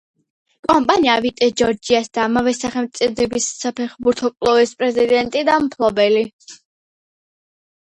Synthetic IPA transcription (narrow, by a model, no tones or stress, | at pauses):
kʼɔmpʼaniavit̪ʼɛd͡ʒɔɾd͡ʒiasd̪̥aːmavɛsaχɛmt̪sʼid̪ɛbisːapʰɛχbuɾt̪ʰɔkʼlˠɔvɛspʼɾɛzid̪ɛnt̪ʼid̪amt̪ʰlˠɔbɛli